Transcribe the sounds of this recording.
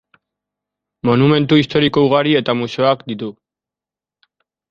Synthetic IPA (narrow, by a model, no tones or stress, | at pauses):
mo̞nume̞nt̪uist̪o̞ɾiko̞uɣ̞aɾie̞t̪amuseoakd̪it̪u